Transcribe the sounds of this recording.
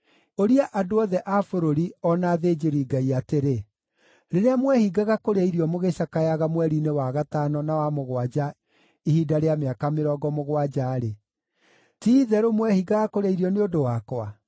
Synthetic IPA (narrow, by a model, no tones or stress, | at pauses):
oɾiaʔadoɔðɛʔafoɾoɾiɔnaðed͡ʒeɾiːɡaiateɾe | ɾeɾeamwɛhiɡaɣakoɾeiɾiɔmoɣeɕakajaɣamwɛɾinewaɣatanɔnawamoɣwad͡ʒa | ihidaɾeameakameɾɔːɡɔmoɣwad͡ʒaːɾe | tiːðɛɾomwɛhiɡaɣakoɾeiɾiɔneodowakwa